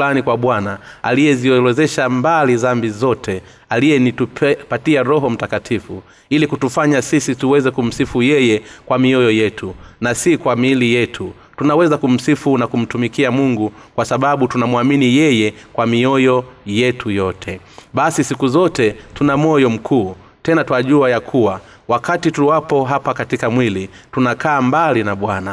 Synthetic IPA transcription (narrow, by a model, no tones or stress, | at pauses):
lanikwaɓwanaa̰lijɛziɔlɛzɛʃambalizambizɔtʰɛ | alijɛnituppatiaɾɔɦɔm̩takatʰifu | ilikutufaɲasisituwɛzɛkum̩sifujɛjɛkwamiɔjɔjɛtʰunasikwamilijɛtʰu | tunawɛzakum̩sifunakum̩tumikiamuŋɡu | kwasaɓaɓutunamwaminijɛjɛkwamiɔjɔjɛtujɔtʰɛ | ɓasisikuzɔtɛtunamɔjɔm̩kʰuː | tɛnatwaʄuajakʰuwa | wakatituwapɔɦapakatikamwilitunakaːmbalinaɓwana